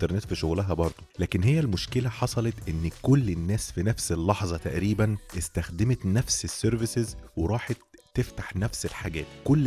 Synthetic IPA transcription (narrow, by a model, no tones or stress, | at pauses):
t̪ɑɾˤnet̪fiʃoɣlæɦæbɑɾˤd̪ˤolæːkenɦejːælmoʃkelæħɑsˤɑlet̪ʔenːkolːenːæːsfinæfselːɑħzˤɑt̪æʔɾiːbænʔest̪æxd̪emet̪næfsesːeɾvɪsezweɾˤɑːħɑt̪ːeft̪ḁħnæfselħaɡæ̰ːt̪kolː